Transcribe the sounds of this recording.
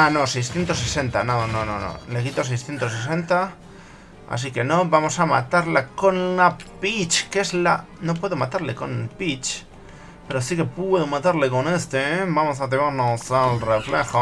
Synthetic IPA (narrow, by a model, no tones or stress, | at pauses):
ano̞sejsθjent̪o̞s̬ese̞nt̪a̰nononõnõ̰no̰le̞kit̪o̞s̬ejsθje̞nt̪o̞s̬es̬e̞nt̪a | a̰s̬ike̞no̞bamo̞sama̰t̪aɾlako̞nlapit͡ʃke̞zlano̞p̬we̞ðo̞mat̪aɾleko̞nelpit͡ʃ | pe̞ɾosike̞pweðomat̪aɾle̞ko̞ne̞st̪ebamo̞s̬at̪̬emaɾnosalrefle̞xo